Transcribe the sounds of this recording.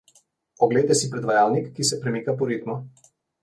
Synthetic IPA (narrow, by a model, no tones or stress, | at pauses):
ɔɡlejt̪ɛsipɾɛd̪ʋajalnikːisɛpɾɛmikapɔɾit̪mɔ